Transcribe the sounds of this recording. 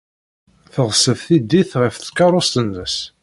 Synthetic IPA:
θəʁsəvθid̪ːiθʁəfθkːɑɾˤost̪ənːəs

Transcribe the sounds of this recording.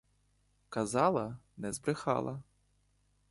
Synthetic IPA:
kɐzɑlˠɐnɛzbɾɪxɑ̰lˠɐ

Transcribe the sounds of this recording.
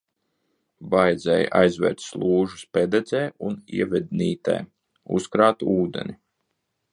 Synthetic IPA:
bajd̪zɛ̰jʔajzvɛ̰ːɾt̪slˠuːʒuspɛd̪ɛd̪zɛːunḭɛvɛd̪̚ʲniːt̪ɛ̰j | ṵskɾaːt̪uːd̪ɛ̰nʲi

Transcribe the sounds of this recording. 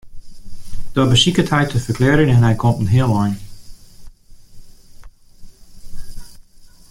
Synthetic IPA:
d̥ɔbəsikətʰhɛjtʰəfəkʰlɛːɾənɛnɦɛjkʰɔmtn̩ɦiəlˠɔjn

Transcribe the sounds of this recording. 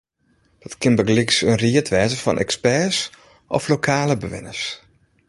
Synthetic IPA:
d̥ɔtkʰɪnbəɡlɪksənriətʰʋɛːzəfɔ̰nʔɛ̰kspɛs | ʔɔflokʰaːləbəʋɪ̰nəs

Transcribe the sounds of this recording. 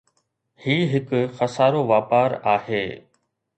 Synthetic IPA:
hiːɦɪkʊxɐsaːɾoʋaːpaːɾaːheː

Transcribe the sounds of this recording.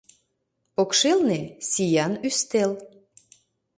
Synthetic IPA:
pokʃelnesijɑnyst̪el

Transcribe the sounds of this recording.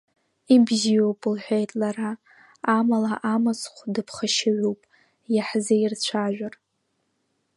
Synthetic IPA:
ibzijowpʼɨlħʷᶣejtʼlaraː | malaʔamat͡sχʷdɨpʰχaʃaɥuwpʼ | jaħzeirt͡ɕʷʰaʒᶣar

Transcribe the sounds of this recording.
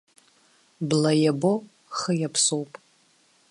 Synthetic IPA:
blɐjɛbo | χəjɛpʰsowpʼ

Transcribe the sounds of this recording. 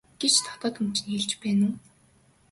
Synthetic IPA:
ɡ̥et͡ɕt̪ʰɔ̥t̪ɔːt̪ɵ̆m̥t͡ɕʰɪ̆nxeɮt͡ɕpæːnuː

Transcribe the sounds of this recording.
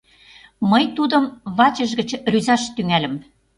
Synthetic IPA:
mɤjt̪ud̪ɤ̆mβɑt͡ɕə̆ʒɣə̆t͡ɕryzɑʃt̪yŋælə̆m

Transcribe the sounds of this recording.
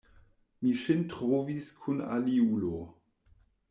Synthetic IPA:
miʃintʁoviskʰuna̰liulo

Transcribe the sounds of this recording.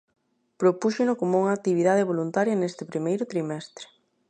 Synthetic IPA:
pɾopuʃenʊkomouŋaːk̚t̪iβ̞iðað̞eβ̞olunt̪aɾjɐnest̪ɪpɾimejɾʊt̪ɾimɛst̪ɾe̥

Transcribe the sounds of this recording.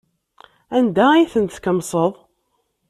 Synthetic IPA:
ænd̪æijθənt̪kəmsˤəðˤ

